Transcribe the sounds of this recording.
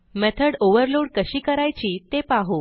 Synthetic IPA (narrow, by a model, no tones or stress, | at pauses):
mɛt̪ʰəɽoʋəɾloɽkəɕiːkəɾajt͡ɕiːt̪epaɦo